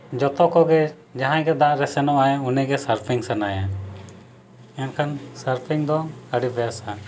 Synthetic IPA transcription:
d͡ʒɔt̪ɔkɔɡɛ | d͡ʒaɦãɡɛd̪aʔɾɛsɛnɔaɛunɛɡɛsəɾpʰiŋsanaja | jankʰansəɾpʰiŋd̪ɔəɽibɛjasa

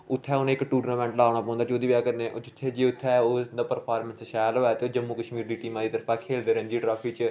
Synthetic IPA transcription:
ʊt̪ʰːɛːʊnẽːɪkʈuːɾnaːmɛ̃ːɳʈlaːɳ̃aːpɔ̃ːnd̪aːt͡ʃoːd̪iːbaːkəɾnẽːʔot͡ʃɪt̪ʰːeːd͡ʒeːʊt̪ʰːɛːoːd̪aːpəɾpʰaːɾmə̃nsʃaːjlɦoːɛːt̪eːoːd͡ʒəmːuːkəʃmiːɾd̪iːʈiːmãːd̪iːt̪əɾfʰãːkʰeːld̪eːɾə̃nd͡ʒ̪iːʈɾaːfʰiːt͡ʃ

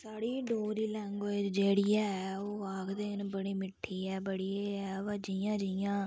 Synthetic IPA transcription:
saːɽiːɖoːɾiːlɛ̃ːŋɡoːed͡ʒeːɽijaːɛoːaːkd̪eːnbəɽiːmɪʈʰːiːɛːbəɽiːeɛːʋəd͡ʒiːjãːd͡ʒijãː

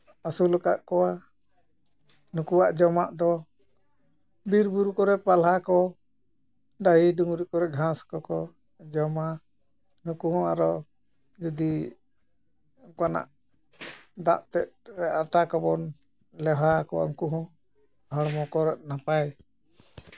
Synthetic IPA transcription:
asulɔkaʔkɔwa | nukuwaʔd͡ʒɔmaʔd̪ɔ | biɾbuɾukɔɾɛpalɦakɔ | ɖaɦiduŋɾikɔɾɛɡʱãskɔkɔ | d͡ʒɔma | nukuɦɔ̃aɾɔ | d͡ʒud̪i | kana̰ʔ | d̪a̰ʔt̪ɛt̪̚ɾɛaʈakɔbɔn | lɛɦakɔwa̰ũkuɦɔ̃ | ɦɔɾmɔkɔɾɛʔ̪̚napaj

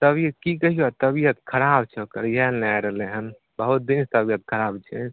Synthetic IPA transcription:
t̪əbjəkikəɦiot̪əbijət̪̚kʰəɾabt͡ʃʰokəɾjɛnajɾəɦleɦən | bəɦut̪̚d̪inst̪əbijət̪̚kʰəɾabt͡ʃʰɛ

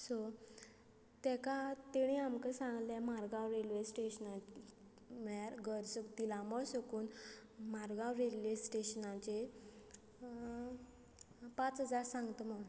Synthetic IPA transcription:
so | t̪ɛ̃kat̪eɽ̃iamkəsãŋɡljamaɾɡãwɾelʋesʈeɕnã | maɾɡəɾsəkt̪ilãmɔɭsəkuːnmaɾɡãwɾelʋesʈeɕənãt͡ɕe | pat͡sɦəd͡zaɾsãŋɡt̪əmə

